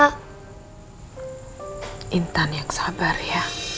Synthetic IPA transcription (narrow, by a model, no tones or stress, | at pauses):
a | ʔint̪anjaksabarja